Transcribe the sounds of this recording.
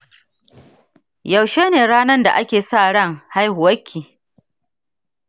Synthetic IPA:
jɐ˨wʃeː˦neː˨ɽaː˦nɐ˦nda̰˨ʔa˦kʲeː˨sa˦˨ɽɐ˦˨ŋha˦jhʊ˨wɐ˦kʲʰːiː˨

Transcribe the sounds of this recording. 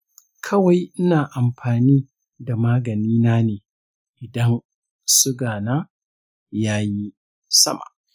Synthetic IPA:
kʰɐ˦wa˨jʔɪ˦naː˨ʔa˨mɸaː˨niː˦ | da˨maː˦ɡɐ˨niː˦naː˦neː˨ | ʔɪ˨dɐ˦n | sʊ˦ɡaː˨naː˦ | jaː˦ji˦ | sɐ̰˦ma̰˨ʔ

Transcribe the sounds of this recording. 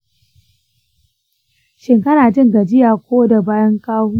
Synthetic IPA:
ʃɪ˨ŋkɐ˦naː˨d͡ʒɪ˦˨ŋɡa˨d͡ʒɪ˦jaː˨kʷoː˦da˨baː˦jɐ˦ŋkaː˦wuː˦

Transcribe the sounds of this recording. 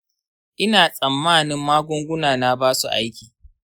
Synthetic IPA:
ʔɪ˦naː˨sʼɐ˨mːaː˦nɪ˦mːaː˦ɡʷʊ˦ŋɡʷʊ˦naː˨na˦baː˦su˨ʔa˦jkʲiː˨

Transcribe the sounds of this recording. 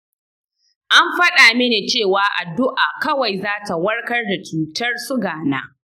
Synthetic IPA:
ʔa˦mɸɐ˦ɗaː˨me˦neː˨t͡ʃeː˦˨waː˨˦ʔa̰˨dʊ˦ʔaː˨kɐ˦wa˨jzaː˦ta˨wɐ˦ɽkɐ˦rda˨t͡ʃuː˨tɐ˦rsʊ˦ɡaː˨na̰ː˦

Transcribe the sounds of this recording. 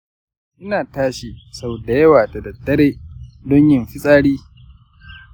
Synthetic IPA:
ʔɪ˦naː˨taː˦ʃi˨sɐ˦boː˨da˨jɐ˦waː˨ta˨dɐ˨dːɐ˦ɾeː˦dɔ˦ɲjɪ˨mɸɪ˦sʼaː˦ɽiː˦

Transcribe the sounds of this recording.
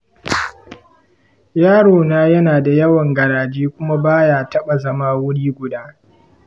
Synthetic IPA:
jaː˦ɽoː˨naː˦jɐ˦naː˨da˨jɐ˦wɐ˨ŋɡɐ˨ɾaː˨d͡ʒiː˦kʷʊ˦ma˦baː˦jaː˦tɐ˦ɓa˨zɐ˦maː˦wʊ˦ɽiː˦ɡʷʊ˨daː˦

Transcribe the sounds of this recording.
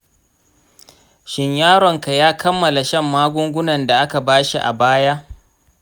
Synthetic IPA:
ʃɪ˨ɲjaː˦ɾɔ˨ŋka˨jaː˦kɐ˦mːɐ˨la˨ʃɐ˦˨mːaː˦ɡʷʊ˦ŋɡʷʊ˦nɐ˨nda˨ʔa˦ka˨baː˦ʃi˨ʔa̰˨baː˦jaː˦ʔ

